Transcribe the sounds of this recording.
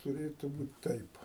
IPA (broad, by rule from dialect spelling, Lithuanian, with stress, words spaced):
tʊˈrʲeːtʊ ˈbuːt ˈtɐɪp